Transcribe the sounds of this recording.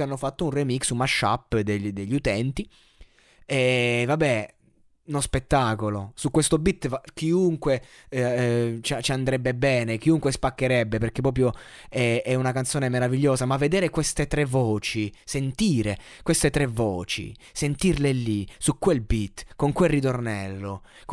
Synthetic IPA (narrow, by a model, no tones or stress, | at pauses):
anːofat̪ːounremiksumaʃːa̰pːd̪ed̪eʎːut̪ɛnt̪i | ɛvabːɛ | unospet̪ːaːkolosukwest̪obit̪ːvak̟iuŋkwe | t͡ʃat͡ʃiand̪ɾɛbːebɛːnek̟iuŋkwespakːeɾɛbːeperkepːɾɔːp̬ɾjo | ɛɛunakant̪soːnemeɾaviʎːoːzamavːed̪eːɾekwest̪et̪ɾevːɔːt͡ʃisent̪iːɾe | kwest̪et̪ɾevːɔːt͡ʃḭ | sent̪irlelːisukːwelbit̪ːkoŋkwelrit̪ornɛlːok